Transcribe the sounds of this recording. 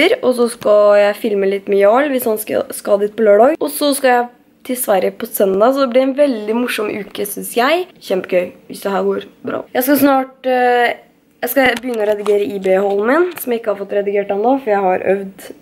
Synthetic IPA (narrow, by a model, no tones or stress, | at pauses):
əɾɔs̬ɔskɑjæɪfɪlməlɪt̪ːmɛjlʋɪshɑnskɑ̰skɑd̪ɪt̪̚pʰɔløːɖɔɡɔsɔskɑjæɪ | t̪ʰɪlsʋæɾəpʰɔsœnd̪ɑsɔd̪ɛblɪɾæɛnʋɛld̪ɪmʊʂɔmʔʉːkəsʏnsjæɪçɛmpəɡœʏʋɪsd̪ɛɦæːɾɡoːɾbɾɑ̰ːjæɪskɑsnɑːʈ | jæɪskɑbəjʏnːəɔɾɛd̪ɪɡeːɾəʔiːbeːhɔlmɪnsɔmjæɪɪkːəhɑɾfɔt̪ːɾɛd̪ɪɡeːʈhɑmd̪ɑfɔɾjæɪhɑɾœ̰ʋd̪